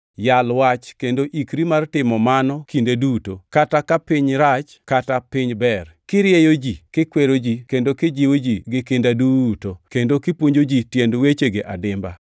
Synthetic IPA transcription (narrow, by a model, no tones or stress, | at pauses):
jalwat͡ʃkendoʔikɾimartɪmɔmanɔkindedutokatakapɪɲɾat͡ʃkatapɪɲbɛrkɪɾjejod͡ʒikɪkweɾod͡ʒikendokɪd͡ʒiwod͡ʒiɡɪkɪndadutokendokɪpwoɲd͡ʒod͡ʒitjendwet͡ʃeɡeʔadɪmba